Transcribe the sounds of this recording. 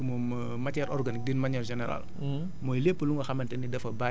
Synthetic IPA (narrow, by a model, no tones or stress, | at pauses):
imɔm | mɐtɛɾʔɔrɡanik̚diːnmɐɲɛːɾʒɛnɛɾa̰l | mɔːjlepːəluŋɡɐxɐmɐntɛnidɛfɐba